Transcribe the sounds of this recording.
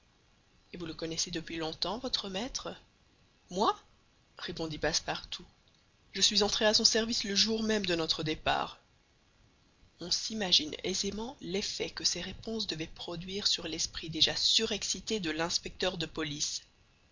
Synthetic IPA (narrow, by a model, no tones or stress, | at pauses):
evuləkɔnɛsed̪əpɥilɔ̃t̪ɑ̃vɔt̪χəmɛt̪χə | mwa | ʁepɔ̃d̪ipaspaʁt̪u | ʒəsɥizɑ̃t̪χeasɔ̃sɛʁvisləʒuʁmɛmd̪ənɔt̪χəd̪epa̰ːʁ | ɔ̃simaʒinḛzemɑ̃lefɛkəsɛʁepɔ̃sd̪əvɛpχɔd̪ɥiːʁsyʁlɛspχid̪eʒasyʁɛksit̪ed̪əlɛ̃spɛk̚t̪œʁd̪əpɔlis